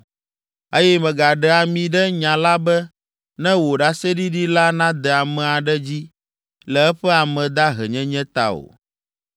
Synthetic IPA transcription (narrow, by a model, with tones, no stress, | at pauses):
e˦jɛ˦mɛ̃˨ɡa˨ɖɛ˨a˨mĩ˨ɖɛ˦ɲã˨la˦bɛ˦ | nɛ̃˦wo˨ɖa˦sɛ˦ɖi˦ɖi˦la˦nã˦d̪ɛ˨a˨mɛ̃˨a˨ɖɛ˦d͡ʑi˦ | lɛ˨ɛ˦ɸɛ˦a˨mɛ̃˨d̪a˦ɦɛ̰˨ɲɛ̃˦ɲɛ̃˦t̪a̰˦o̰˨